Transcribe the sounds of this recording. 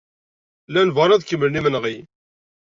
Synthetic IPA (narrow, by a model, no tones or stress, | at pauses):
lænvɑɾˤæðkːəmːəlnimənʁi